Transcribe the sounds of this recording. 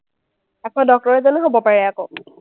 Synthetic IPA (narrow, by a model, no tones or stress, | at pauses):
ɛkʰɔ̃dɔk̚tɔɹɛzɔneɦobɔpaɹɛako